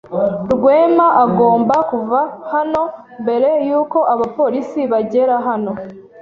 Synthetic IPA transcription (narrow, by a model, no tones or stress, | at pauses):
ɾɡwe̞ːmaʔaɡo̞ːmbakuvahano̞ | mbe̞ɾe̞juːko̞ʔaβapo̞ɾisiβaɟe̞ɾaɦano̞